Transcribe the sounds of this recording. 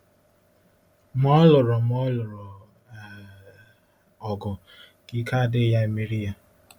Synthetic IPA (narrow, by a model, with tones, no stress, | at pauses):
m˦ɔ˦lʊ˨ɾɔ˨m˦ɔ˦lʊ˨ɾɔ˨ | a˨ | ɔ˨ɡʊ˨ | ɡ̥i˦ka˦˨dɪ˦ja˦e˨mi˦ɾi˦ja˦